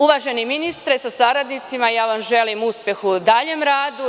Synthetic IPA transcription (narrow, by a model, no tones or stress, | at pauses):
uʋaʒe̞niminist̪ɾesasaɾad̪nit̪simajaːʋamʒe̞limuspje̞xud̪aʎemɾaːd̪u